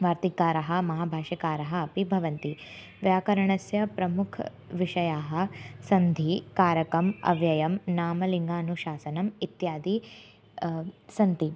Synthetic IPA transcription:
ʋaːɾt̪ikːaːɾɐɦɐ̆mɐɦaːbʱaːʃɐkaːɾɐɦɐ̆ːpibʱɐʋɐnt̪i | ʋjaːkɐɾɐɳɐsjɐpɾɐmukʰ | ʋiʂɐjaːɦɐ̆sɐnd̪ʱikaːɾɐkɐmɐ̰ʋjɐjɐmnaːmɐliŋɡaːnuʃaːsɐnɐmit̪jaːd̪i | sɐnt̪i

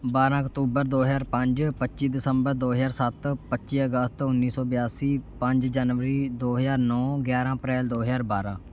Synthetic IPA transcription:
baːɾãːkt̪uːbəɾd̪oːɦəjaːɾpəɲd͡ʒpətːʃiːd̪ɪsəmbəɾd̪oːɦəzaːɾsət̪pətːʃiːəɡəst̪ʊnːiːsɔːbɪjaːsiːpə̃ɲd͡ʒd͡ʒaːnʋəɾiːd̪oːɦəzaːɾnɔːɡjaːɾãːəpɾɛːld̪oːɦzaːɾbaːɾã̰ː

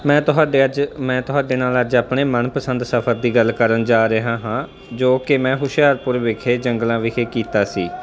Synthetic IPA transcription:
mɛ̃ːt̪ʊɦaːɖemɛ̃ːt̪ʊɦaːɖeːnaːləd͡ʒaːpɳeːmənpəsənd̪səpʰəɾd̪iːɡəlkəɾənd͡ʒaːɾəɦãːɦãː | d͡ʒoːkɪmɛ̃ːɦʊʃjaːɾpʊɾʋɪkʰeːd͡ʒəŋɡlãːʋɪkʰeːkiːt̪aːsiː

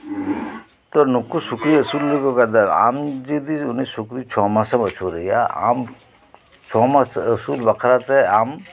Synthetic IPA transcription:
t̪onʊkuʃʊkɾiɐsuːlːeɡokad̪ɐɾa̰ːmd͡ʒid̪iʊnẽʃʊkɾit͡ʃʰɔːmãsɐmɐt͡ʃʰoɾɐija̰a̰ːm | t͡ʃʰɔːmasɐsuːlbɐkʰɾat̪ɛaːm

